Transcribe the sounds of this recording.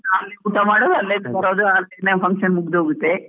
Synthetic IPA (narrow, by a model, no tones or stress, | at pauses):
naɐlːekuːt̪amaːɽod̪ɐlːed̪kɐɾoːd̪uaːlenɐpʰɐŋkʃɐnmuɡd̪ɦoːɡut̪ːe